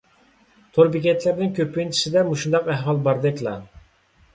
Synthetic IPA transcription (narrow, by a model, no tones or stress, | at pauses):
t̪ʰoɾbikʲɛt̪ʰlæɾnɪŋkʲøpːynt͡ʃʰi̥sɪd̪ɛmuʃund̪ɑqæɦwɑlˠbɑɾd̪ɛkʲlˠɑ̰